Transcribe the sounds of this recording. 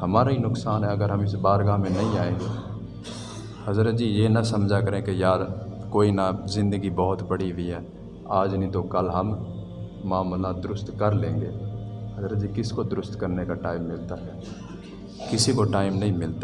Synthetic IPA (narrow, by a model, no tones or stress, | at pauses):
hɐmaːɾaɦinʊksaːnɦɛɐɡəɾɦɐmɪsbaːɾɡaːmẽnɐɦĩaːẽːɡeː | hɐzɾət̪̚d͡ʒiːjenɐsɐmd͡ʒʱakəɾẽkejaːɾkoːinazɪ̃nd̪əɡibɔɦʊt̪bəɽiɦiɦɛː | aːd͡ʒnəĩt̪okəlɦɐmː | aːmlnad̪ʊɾʊst̪kəɾlẽːŋɡeːhɐzɾət̪̚d͡ʒiːkɪskod̪ʊɾʊst̪kəɾnekaʈaːɪmːɪlt̪aɦɛː | kɪsikoʈaːɪmnɐɦĩmɪlt̪a